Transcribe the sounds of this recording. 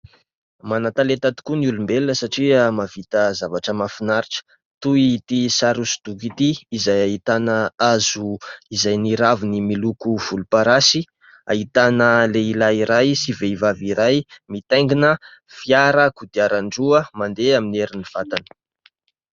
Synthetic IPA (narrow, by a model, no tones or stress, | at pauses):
manat̪alet̪at̪i̥kunulumbelnəsaʈ͡ʂiəmavit̪əzavaʈ͡ʂəmafinaɾiʈ͡ʂə̥ | t̪uit̪isaɾusi̥d̪̥ukit̪iːzajaɦit̪anəazuizajniɾavinimilukuv̥ulupaɾasi | ait̪anəleilaiɾajsiveivaviɾajmit̪ajŋɡinə | fiaɾəkud̪iaɾaɳɖ͡ʐuəmand̪eamineɾiniv̥at̪anə̥